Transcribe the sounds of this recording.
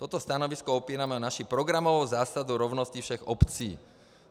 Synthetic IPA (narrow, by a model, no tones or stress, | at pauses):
t̪ɔt̪ɔst̪anɔʋiskɔɔpiːɾamɛɔnaʃipɾɔɡɾamɔʋɔwzaːsad̪uɾɔʊnɔscifʃɛɣɔpt͡sḭː